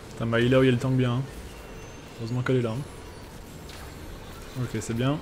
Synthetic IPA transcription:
t̪ɛ̃mbailauijalət̪ɑ̃kbjɛ̃ɛ̃ | øʁøzmɑ̃kɛlɛlã | okʲesɛbjɛ̃

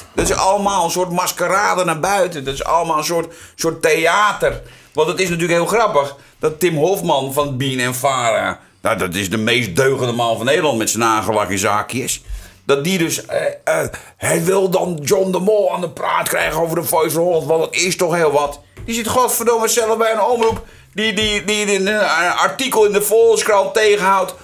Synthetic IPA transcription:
d̥ɔtɪsɑ̰lˠəmaːlˠənsoətmaskəɾaːdənarbœɥtəndɔtɪsɑ̰lˠəmaːlˠə̃nsotsoteaːtər | ʋɑntətɪs̬nat̬yːləkhɪːlˠxrɑpəx | d̥ɔtɪmɦofmanfɔnbinɛnfaːɾa̰ | jadɔtɪsdəmeːst̚døːɣəndəmɑnfɔneːdəlˠɑ̃ntmɛtsənaːχəlakɪnsaːkjəsd̥ɔt̚didøsəhɛjʋɪlˠdɔnd͡ʒɔndəmoːlˠaːndəpra̰ːtkrɛ̰jɣənowvərdəfɔjsərholˠntʋɑ̃ndɔtɪstɔxheəlˠʋɔt | d̥isɪtχɔtfərdoməsɛlˠəfbɛjənɔmrup | dididiənəənartikəlˠɪndəfoːlskrateːɣənhawt

